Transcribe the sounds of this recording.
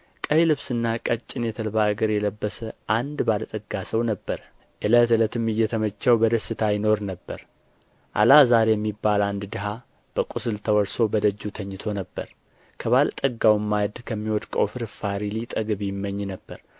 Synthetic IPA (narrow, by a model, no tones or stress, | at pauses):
kʼəjlɨβsɨnːakʼət͡ʃʼːɪnjɛt̪ʰəlbaɡəɾjɛləbːəsəʔand̪balt̪ʼəɡːasəwnəbːəɾ | ʔɨlət̪ɨlət̪ɨmɨjːɛt̪ʰəmət͡ʃːawbəd̪əsːɨt̪ʰajɪno̞ɾnəbːəɾ | ʔa̰lazaɾejɛmːibːaland̪d̪ɨɦa | b̥əkʼusɨlt̪ʰəwɔɾso̞bəd̪əd͡ʒːut̪ʰəɲːɪt̪ʰo̞nəbːə̰ɾ | kʰəβalt̪ʼəɡawmːajd̪kʰəmːiwɔt̪ʼkʼə̰wfɨɾfaɾilit̪ʼəɡɨβjɪmːəɲːnəbːəɾ